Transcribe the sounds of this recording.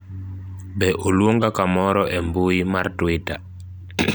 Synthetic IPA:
bɛʔolwoŋɡakamɔɾɔʔɛmbuimaɾtwita

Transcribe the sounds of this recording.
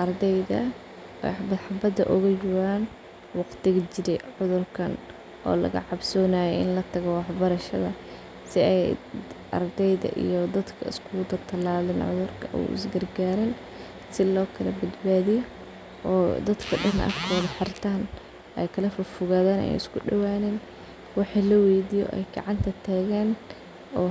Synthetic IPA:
ʔɐrd̪ɛjðɐ̰ | ɛ̰ħbɐd̪ħɑbɐd̪ɐʔɔɣɐjʊwaːn | wɑqt̪ʰɪɣɐt͡ʃɪɾɛʕʊðʊrkʰɐn | ʔɔ̰ːlɐ̰ɣɐ̰ʕɑbsɔːnaːjɛɪ̰nlɐt̪ʰɐɣɔwɑħbɐɾɐʃɐðɐ | sɪɛjʔɐ̰rd̪ɛjðɐ̰ʔḭjɔd̪ɐd̪kʰɐ̰ɪ̰skʰʊd̪ɐt̪ʰɐlaːlɪnʕʊ̰ðʊrkʰɐ̰ṵʔɪ̰sɡɐrɡaːɾɪn | sɪlɔːkʰɐlɐbɐd̪baːðɪjɔ | ʔɔːd̪ɐd̪kʰɐɖɐnɐ̰rkʰɔːðɐħɑrt̪ʰaːn | ʔɛjkʰɐlɐfʊrfʊɣaːðɛːnɛ̰j̰ɪskʰʊɖɐwaːnɛːn | wɑħilɐwɛjd̪ijɔ̰ʔɛ̰jɡɑ̰ʕɑnt̪ʰɐt̪ʰaːɣɛːn | ɔː

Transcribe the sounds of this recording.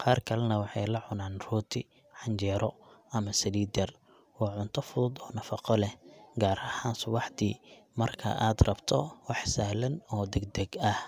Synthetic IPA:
qɑːrkʰɐlɛnɐwɑħɑjlɐʕʊnaːnruːt̪ʰɪ | ħɑɲt͡ʃɛːɾɔʔɐmɐsɐliːd̪ɛr | wɑːʕʊnt̪ʰɔfʊðʊd̪ɔːnɐfɑqɔlɛhɡaːɾɐhaːnsʊbɑħd̪ḭːmɐrkʰɐ̰ʔaːd̪rɐbt̪ʰɔwɑħsaːhlɐnɔːd̪ɛɡ̚d̪ɛɡɐh

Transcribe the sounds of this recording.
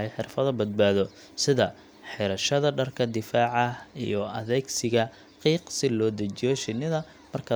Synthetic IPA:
ɛjħɪrfɐðɐbɐd̪̚baːðɔ | sɪðɐ | ħɪɾɐʃɐðɐɖɐrkʰɐd̪ɪfaːʕɑḭjɔʔɐ̰ðɛːɡsɪɣɐ | qiːqsɪlɔːd̪ɐt͡ʃɪjɔʃɪnɪðɐ | mɐrkʰɐ

